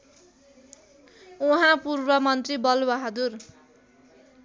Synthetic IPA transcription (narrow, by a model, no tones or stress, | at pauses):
uɦãpurbʌmʌnt̪ribʌlbʌɦʌd̪ur